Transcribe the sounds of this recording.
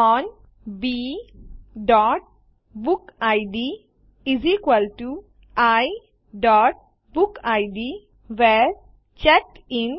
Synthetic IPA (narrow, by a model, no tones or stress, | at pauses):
ɔn | bi | ɖɔːʈ̚ | bukaɪɖi | izikʋəlʈu | aj | ɖɔʈ̚ | bukaɪɖi | ʋɛɾ | t͡ʃɛk̚ʈĩn